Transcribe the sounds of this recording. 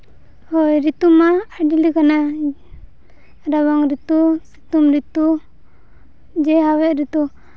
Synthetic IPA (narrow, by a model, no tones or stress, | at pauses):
hɔjɾit̪umaaɖilikana | ɾaβaŋɾit̪usit̪umɾit̪u | d͡ʒɛɦawɛʔɾit̪u